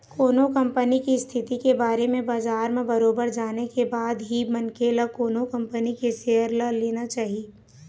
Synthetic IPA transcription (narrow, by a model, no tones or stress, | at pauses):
koːnokə̃mpənikist̪ʰɪt̪ikebaːɾemẽbaːzaːɾmẽbɐɾoːbəɾd͡ʒaːnekebaːd̪ɦimɐnkeːlakoːnokɐ̃mpənikeʃeɦəɾlaleːnat͡ʃaːɦieː